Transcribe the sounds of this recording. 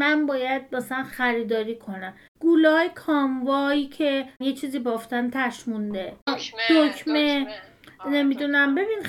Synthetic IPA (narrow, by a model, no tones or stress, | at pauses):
mænbɒːjæd̪̚mæsælænxæɾiːd̪ɒːɾiːkʰo̞næm | ɡ̥ulɒjekʰɒːmvɒːicʰe̞jet͡ʃʰiːziːbɒːft̪ænt̪ʰæʃmund̪ehocʰme | ne̞mid̪unæmbe̞biːn